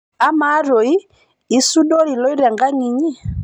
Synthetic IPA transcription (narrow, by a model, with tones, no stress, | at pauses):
a˦ma˨˦ɾɔ˨i˦ | i˦su˦ɗɔ˦ɾi˨lɔ˦i˦ɾɛ˨ŋɡa˦ŋi˨ɲi˦˨